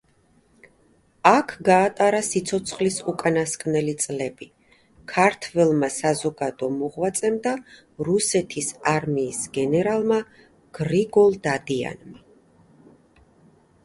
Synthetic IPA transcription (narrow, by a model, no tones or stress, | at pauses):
akʰɡaːt̪ʼaɾasit̪sʰɔt̪sʰχlisukʼanaskʼnɛlit̪sʼlɛbi | kʰaɾt̪ʰvɛlˠmasazɔɡad̪ɔmɔʁwat̪sʼɛmd̪a | ɾusɛt̪ʰisaɾmiːsɡɛnɛɾalˠma | ɡ̥ɾiɡɔlˠd̪ad̪ia̰nma